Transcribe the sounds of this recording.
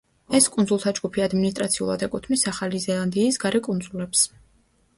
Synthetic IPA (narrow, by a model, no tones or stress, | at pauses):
ɛskʼundzulˠt̪ʰad͡ʒɡupʰiad̪minist̪ʼɾat̪sʰiṵlˠa̰d̪ɛkʼut̪ʰmisaχalizɛlˠand̪iːsɡaɾɛkʼund̪zulɛps